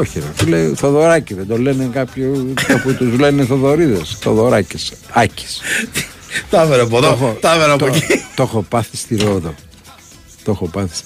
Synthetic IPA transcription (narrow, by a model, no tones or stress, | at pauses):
oçiɾo̰t̪ileiθoðoɾɐciðend̪olenekɐpçooput̪uzle̞neθoðo̞ɾiðesθo̰ðoɾɐcisɐci̥s | t̪ɐveɾɐpoðoxot̪ɐveɾɐɐp̪t̪ocit̪oxopɐθist̪iɾoðo | t̪o̞xopɐθi̥s